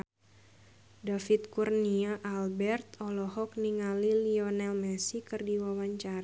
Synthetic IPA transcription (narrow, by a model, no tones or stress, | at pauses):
dafit̪̚kurniaʔalbɛrt̪ɔlɔɦɔk̚niŋaliliɔnɛlmɛsikɨrdiwawaɲt͡ʃaɾa